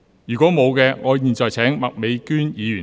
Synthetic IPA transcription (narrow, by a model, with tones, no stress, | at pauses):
jyː˨˩kʷwɔː˨˥mo˨˧wkɛː˧ŋɔː˨˧jiː˨˩nt͡sɔː˨jt͡sʰɛː˨˥ŋmɐ˨k̚me˨˧jkyː˥njiː˨˧jyː˨˩